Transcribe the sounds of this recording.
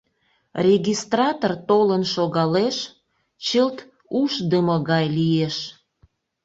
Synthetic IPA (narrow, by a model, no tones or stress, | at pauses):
rʲeɣʲist̪rɑt̪ort̪olənʃoɣɑleʃ | t͡ɕəlt̪ | uʃd̪əməɣɑjlieʃ